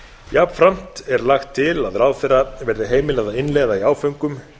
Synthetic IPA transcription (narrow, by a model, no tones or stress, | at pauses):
japfɾam̥t̪ɛɾlaxt̪ʰːɪlaðɾaːwθɛrːavɛɾðɪɦeːjmɪlɛːɣðaɪnlɛɣðaiaːwfœɥŋkʏm